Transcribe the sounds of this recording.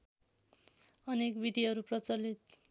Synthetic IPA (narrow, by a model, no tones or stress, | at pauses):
ʌnekbid̪ʱiɦʌɾuprʌt͡sʌlit̪̚